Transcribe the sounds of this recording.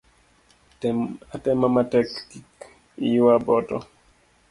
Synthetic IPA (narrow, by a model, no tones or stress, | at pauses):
atɛmamatɛkkik | ijwabɔtɔ̰